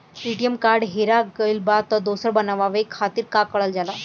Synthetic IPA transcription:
iʈiəmkaɾɖɦeɾaɡəjlbat̪ɔd̪osəɾbənaʋaʋekʰat̪iːɾkakəɭəld͡zala

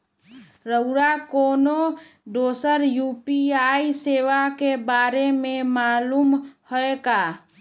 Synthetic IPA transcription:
ɾəʊɾakono | ɖosəɾjupiaiseʋakebaɾememalumhɔeka

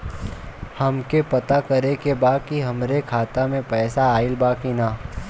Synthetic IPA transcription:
hɐmkepɐt̪akɐɾekebaːkiɦɐmɾekʰaːt̪amẽpɛːsaaːɪlbaːkinaː

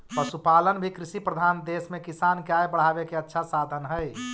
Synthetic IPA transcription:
pəsupalənbʱikɾisipɾəd̪ʱaːnd̪esmẽkisankeajbəɽ̤aːbekeətːʃʰasad̪ʱənɦəj

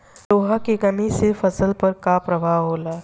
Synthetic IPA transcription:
ɾoːɦakekɐmisefɐsəlpɐɾkapɾɐbʱaːɦoːlaː

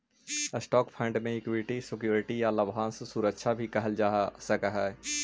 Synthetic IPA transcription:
ɪsʈɔːkpʰɐ̃ɳɖmẽɪkwɪʈisɪkjoːɾɪʈijalɐbɦaːnssuɾəkʃʰabʱikɐɦəld͡ʒaːsɐkaɦɛː

